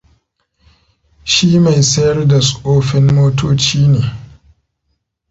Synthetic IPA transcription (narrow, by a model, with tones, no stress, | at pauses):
ʃi˦ma˨jsɐ˦jɐ˦rda˨sʼʊ˨ʔoː˦ɸɪ˦mmoː˦toː˦t͡ʃiː˦neː˨